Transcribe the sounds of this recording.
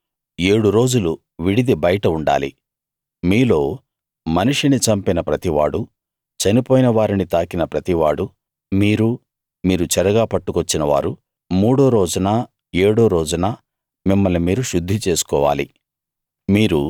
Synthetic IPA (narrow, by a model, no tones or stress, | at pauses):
e̞ːɽuɾo̞ːd͡ʒulu | ʋiɽid̪ibɐjɐʈɐuɳɖa̰ːlḭ | miːlo̞ː | mɐniʂinit͡ʃɐmpinɐpɾɐt̪iʋaːɽu | t͡ʃɐnipoːjinɐʋaːɾinit̪aːkinɐpɾɐt̪iʋaːɽu | miːɾu | miːɾut͡ʃɛɾɐɡaːpɐʈːukot͡ʃːinɐʋa̰ːɾu | muːɽoːɾoːd͡ʒunaː | e̞ːɽoːɾoːd͡ʒunaː | mimːɐlnimiːɾuʃud̪ʱːit͡ʃe̞ːsu̥kɔːʋa̰ːli | miːɾu